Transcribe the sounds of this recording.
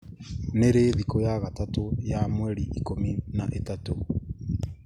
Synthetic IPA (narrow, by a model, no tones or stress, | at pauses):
neɾeðikojaɣatatojamwɛɾiʔikominaʔetato